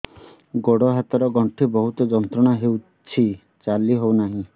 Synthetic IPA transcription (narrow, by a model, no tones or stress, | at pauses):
ɡoɽɔɦat̪ɔɾɔɡɔɳʈʰibɔɦut̪ɔd͡ʒɔnt̪ɾɔɽ̃aɦew | t͡ʃʰi | t͡ʃaliɦownaɦĩ